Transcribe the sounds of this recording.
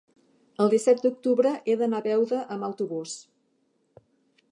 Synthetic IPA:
əlˠd̪isɛt̪̚d̪uk̚t̪uβɾəʔeðənaβɛwðəʔəməwt̪uβus

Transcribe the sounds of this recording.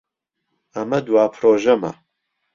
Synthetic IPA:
ɐmɐd̪uwaːpʰɾoːʒɐmɐ̰

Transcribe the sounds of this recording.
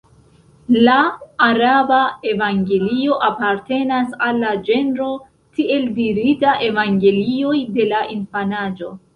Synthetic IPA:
laːɾabae̞vaŋɡe̞lio̞ʔapaɾte̞nasalːad͡ʒe̞nɾo̞ | tie̞ldiɾitaʔe̞vaŋɡe̞lio̞jde̞laʔinfanad͡ʒo̞

